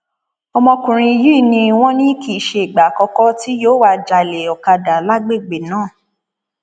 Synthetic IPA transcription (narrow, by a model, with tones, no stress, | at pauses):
ɔ˧mɔ̃˧kũ˨ɾ̃ĩ˧ji˦˨nĩ˧w̃ɔ̃˦nĩ˦ki˨ʃe˧i˨ɡ͡ba˨kɔ˧kɔ˦ti˦joː˦wa˧d͡ʒa˨le˨ɔ˨ka˧da˨la˦ɡ͡be˦˨ɡ͡be˨nãː˦˨